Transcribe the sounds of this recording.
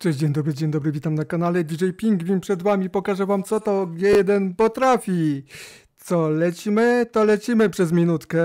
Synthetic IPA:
t͡ʂɛɕd͡ʑeɲd̪ɔbɾɘd͡ʑeɲd̪ɔbɾɘvʲit̪amnakanalɛivʲiʐɛjpʲiŋɡvʲiɲpʂɛd̪vamʲipɔkaʐɛvamt̪sɔt̪ɔɡjɛjɛd̪ɛnpɔt̪ɾafʲi | t̪sɔlɛt͡ɕimɘt̪ɔlɛt͡ɕimɘpʂɛzmʲinut̪kɛ

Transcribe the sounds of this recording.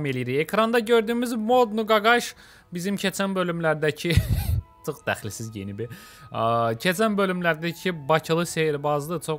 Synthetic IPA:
me̞lʲijiɾiçekʰɾɑnd̪ɑɟø̞ɾd̪yːmyzmo̞d̪nuɡɑɡɑʃ | bizimcʰet͡ʃʰænbø̞lʲymlæɾd̪æcʰit̪ʰɯχd̪æχlisizɟḛnibi | cʰet͡ʃʰænbø̞lymlæɾd̪æcʰibɑcʰɯlˠɯseɾbɑzd̪ˠɯt͡ʃʰo

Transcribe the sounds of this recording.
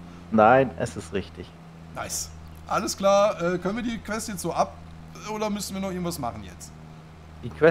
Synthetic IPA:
naɪnʔɛ̰sɪstʁɪçtɪç | na̰ɪs | ʔaləskl̥aːɐʔɛːkœnənviːɐdiːkv̥ɛstjɛt͡stz̥oːʔap̚ː | ʔoːɾɐmʏsn̩viːɐnɔχʔɪŋ̩tv̥asma̰χn̩jɛ̰t͡st | d̥iːkʰv̥ɛ

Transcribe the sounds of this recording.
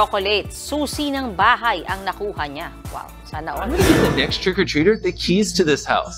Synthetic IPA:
okolɛt̪̚suːsinɐŋbaːɦɐjʔɐŋnɐkuːhɐɲawa̰wsanɐʔãɡʌnɨɡɪt̪ðɨnɛkstʰɹ̥ɪkə˞tʰɹ̥iɾə˞ðɨkʰiztʰɨðɪsha̰ʊs

